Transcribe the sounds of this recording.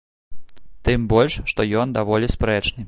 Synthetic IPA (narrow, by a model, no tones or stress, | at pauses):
t̪ɨmbɔlʲʂːt̪ɔjɔnd̪avɔlʲispɾɛt͡ʂnɨ